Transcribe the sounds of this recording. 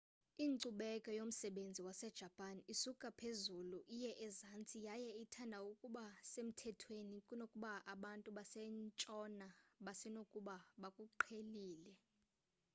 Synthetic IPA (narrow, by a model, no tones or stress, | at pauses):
iːǀuɓɛkʼɔjom̩sɛɓend͡zʱiwasɛd̥ʒ̥ʱapʼanisukʼapʰezuluʔijɛʔɛzant͡sʼijajɛitʰandʱaukʼuɓasem̩tʰɛtʰwenikʼunokʼuɓaʔaɓantʼuɓasɛnt͡ʃʼɔnaɓasɛnokʼuɓaɓakʼuǃʰeliːlɛ